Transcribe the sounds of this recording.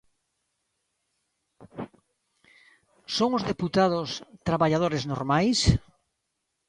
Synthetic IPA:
soŋʊzðeput̪aðʊst̪ɾaβaʎað̞oɾeznoɾmajs

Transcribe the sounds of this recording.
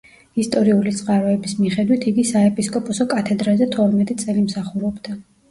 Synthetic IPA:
ist̪ʼɔɾiulit̪sʼqʼaɾɔɛbismiχɛd̪wit̪ʰiɡisaɛpʼiskʼɔpʼɔsɔkʼat̪ʰɛd̪ɾazɛt̪ʰɔɾmɛt̪ʼit̪sʼɛlimsaχuɾɔbd̪a

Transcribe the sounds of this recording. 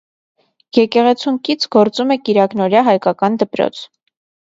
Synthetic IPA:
jɛkɛʁɛt͡sʰuŋkit͡sʰɡɔɾt͡sumɛkiɾɑknɔɾjɑɦɑjkɑkɑnd̪əpɾɔ̰t͡sʰ

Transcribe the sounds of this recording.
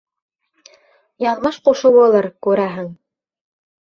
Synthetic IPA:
jɑnmɤʃquʃuβulˠɤɾkʉɾæɦɘŋ

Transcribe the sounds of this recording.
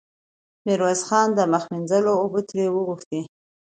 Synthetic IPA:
mɪɾwazxɑnd̪əmaxminzəloːbut̪ɾewəɣuxt̪i

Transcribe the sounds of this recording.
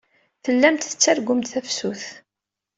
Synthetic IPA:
θəlːæmt̪θə̥t͡sːæɾɡʷʊmt̪θæfsuθ

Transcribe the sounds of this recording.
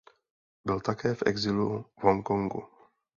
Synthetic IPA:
bɪlt̪akɛːfʔɛ̰ɡzɪluvɦoŋko̞ŋɡṵ

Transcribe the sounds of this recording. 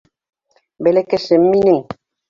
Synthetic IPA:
belekesemːineŋ

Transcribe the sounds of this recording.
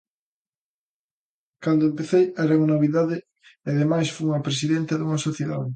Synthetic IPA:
kand̪oempeθejaɾauŋɐnoβiðaðɪ | aðemajsfujuŋɐpɾes̬iðẽnt̪ɐðuŋɐsoθjeðaðe

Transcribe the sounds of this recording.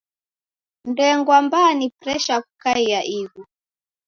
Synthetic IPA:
ndɛŋɡwambaːnipɾɛʃakukaijaʔiɣu

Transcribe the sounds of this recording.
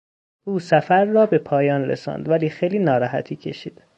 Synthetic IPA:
ʔuːsæfæɾːɒːbe̞pʰɒːjɒːnɾḛsɒ̰ːnd̪væliːxejliːnɒːɾɒːɦæ̰t̪ʰiːcʰe̞ʃiːd̪̥

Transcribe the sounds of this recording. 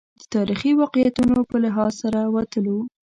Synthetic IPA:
d̪ət̪ɑɾixiwɑqjat̪unopəlɪɦɑlsaɾawat̪əlo

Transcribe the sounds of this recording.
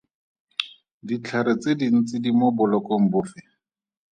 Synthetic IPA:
dit͡ɬʰaɾɪt͡sedin̩t͡sɪdimɔbʊlɔkom̩bʊːfɪ

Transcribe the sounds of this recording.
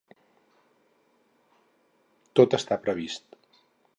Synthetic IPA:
t̪ot̪əst̪apɾəβist̪

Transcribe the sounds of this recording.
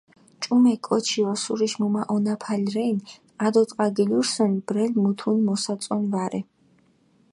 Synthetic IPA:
t͡ʃʼumɛkʼɔt͡ʃʰiɔsuɾiʃmumaʔɔnapʰalɾɛjn | ad̪ɔt̪ʼqʼaɡiluɾsɔnibɾɛlmut̪ʰunmɔsat̪sʼɔnvaɾɛ

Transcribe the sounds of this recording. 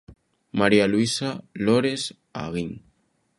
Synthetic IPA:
maɾialwisaloɾes | a̰ɣiŋ

